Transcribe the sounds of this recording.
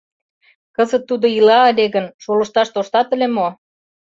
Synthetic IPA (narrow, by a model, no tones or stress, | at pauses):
kəzət̪ːud̪oilɑːlʲeɣənʃolə̆ʃt̪ɑʃt̪oʃt̪ɑt̪ə̆lʲemo